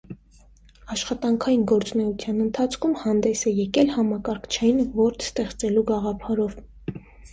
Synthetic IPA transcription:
ɑʃχɑt̪ɑŋkʰɑjinɡɔɾt͡sunɛut͡s̪ʰjɑnənt̪ʰɑt͡sʰkʰumhɑnd̪ɛsɛjɛkɛlhɑmɑkɑɾkʰt͡ʃʰɛjinvɔɾt̪ʰst̪ɛχt͡sɛluɡɑʁɑpʰɑɾɔv

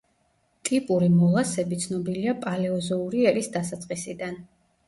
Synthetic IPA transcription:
t̪ʼipʼuɾimɔlˠasɛbit̪sʰnɔbiliapʼalɛɔzɔuɾiɛɾisd̪asat̪sʼqʼisid̪an

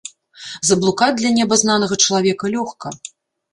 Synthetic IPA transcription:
zɐblˠukad̪lʲɐnʲɛbɐznanɐɣɐt͡ʂɐlˠavʲɛkɐlʲɔxkɐ

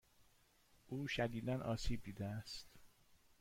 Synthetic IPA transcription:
ʔuːʃæd̪iːd̪ænʔɒːsiːb̚d̪iːd̪eæst̪

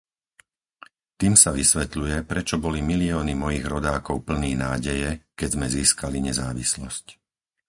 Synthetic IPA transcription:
t̪iːmsaʋisʋɛt̪lujɛpɾɛt͡ʃɔbɔlimiliɔːnimɔjiːɣɾɔd̪aːkɔʊpl̩niːnaːɟɛjɛkɛzmɛziːskaliɲɛzaːʋḭslɔsc

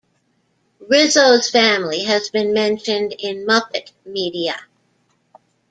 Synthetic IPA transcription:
ɹɪzoʊz̥fæ̃mliɨzbɨ̃nmɛ̃nʃɨ̃ndɪ̃nmʌpɨtmiɾiɨ

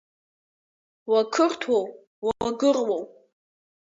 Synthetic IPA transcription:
wakʰɨrtʰwow | waɡɨrwow

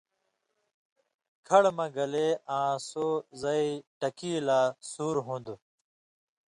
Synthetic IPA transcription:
kʰɐɽmɐɡɐleːãːsoːzɐiʈɐkiːlaːsuːɾɦũnd̪u

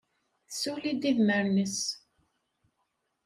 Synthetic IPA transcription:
θsulid̪iðməɾnəs

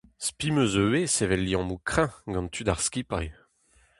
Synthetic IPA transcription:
spimøzøwesevɛlːiɑ̃mukχɛ̃ɡɑ̃nt̪ʰyd̪aʁskʲipaj

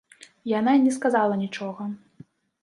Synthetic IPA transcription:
jananʲɛskazalˠɐnʲit͡ʂɔɣɐ

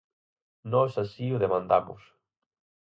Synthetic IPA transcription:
nɔsasiʊðemãnd̪amʊ̰s

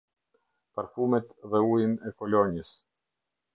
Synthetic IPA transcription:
paɾfumɛt̪ðɛujinɛkɔlɔɲis

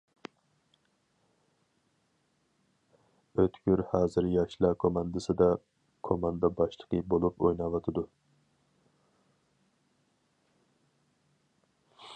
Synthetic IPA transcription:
øt̪ʰkʲyɾhɑːzɨɾjɑʃlˠɑkʰomɑnd̪ɨsɨd̪ɑ | kʰomɑnd̪ɑbɑʃlˠə̥qʰəbolˠupojnɑːvɑt̪ʰɨd̪u

